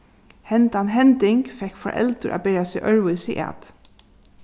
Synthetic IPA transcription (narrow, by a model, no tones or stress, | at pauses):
hɛnt̪anɦɛnt̪ɪŋkfɛkfɔ̰ɾʔɛ̰lt̪əɾʔa̰ːbɪɾasɪʔœɹʋʊsiʔa̰ːt̪